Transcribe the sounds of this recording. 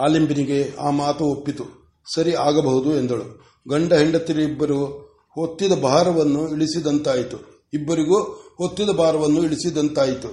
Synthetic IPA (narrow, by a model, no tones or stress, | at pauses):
aːlimbiniɡe̞aːmaːt̪ɐopːit̪u | sɐɾiaːɡɐbɐɦud̪uend̪ɐɭu | ɡɐɳɖɐɦiɳɖɐt̪ːiɾɐibːɐɾu | hot̪ːid̪ɐbʱaːɾɐʋɐnːuiɭisid̪ɐnt̪aːjit̪u | ibːɐɾiɡuhot̪ːid̪ɐbʱaːɾɐʋɐnːuiɭisid̪ɐnt̪aːjit̪u